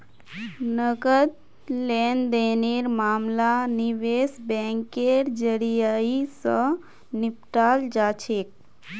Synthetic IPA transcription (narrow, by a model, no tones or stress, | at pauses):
nəɡəd̪̚ | lend̪eneɾmaːmlaniʋesbɛ̃ŋkeɾd͡ʒəɾijaisə̃ | nip̚ʈaːld͡ʒat͡ʃʰek̚